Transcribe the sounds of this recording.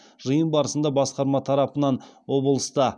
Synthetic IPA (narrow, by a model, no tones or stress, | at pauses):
ʒəjənbɑɾəsənd̪ɑbɑsqɑɾmɑt̪ʰɑɾɑpənɑnwo̞blˠəst̪ɑ